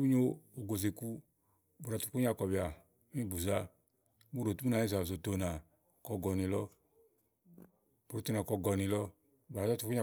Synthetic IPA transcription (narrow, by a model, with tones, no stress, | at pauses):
bi˦ɲo˦o˨ɡo˨ze˨ku˦ | bu˨a˨˧tu˧˨ku˦ɲ˦a˨˧˨kɔ˨bi˨a˨˦ | ĩ˦˧˨bu˨za˧˦ | bu˦˨ɾo˨tu˦u˦na˨i˦˧za˨zo˨to˧na˨ | kɔ˧ɡɔ˧nĩ˧lɔ˧ | bu˨ɾo˨˧to˦˧na˨kɔ˧ɡɔ˧ni˧˨lɔ˧ | ba˨a˦tu˧˨ku˦ɲ˦a˧˨